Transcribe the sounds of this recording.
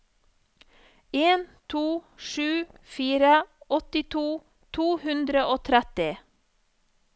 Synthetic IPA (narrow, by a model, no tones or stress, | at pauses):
eːnt̪ʰuːʃʉːfiːɾəʔɔt̪ɪt̪ʰuː | t̪ʰuːhʉnd̪ɾəʔoːt̪ʰɾɛt̪ɪ